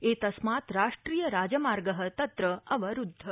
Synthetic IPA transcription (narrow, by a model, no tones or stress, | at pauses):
et̪ɐsmat̪ɾaʃʈɾijəɾad͡ʒəmaɾɡəɦə̆t̪ɐt̪ɾəʔəʋəɾud̪ʱːə